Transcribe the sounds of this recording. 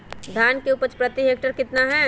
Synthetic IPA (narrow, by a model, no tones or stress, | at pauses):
d̪ʱjaːnkeuːpəɾt͡ʃpɾɐt̪iɦeːk̚ʈəɾkɪt̪naɦɛː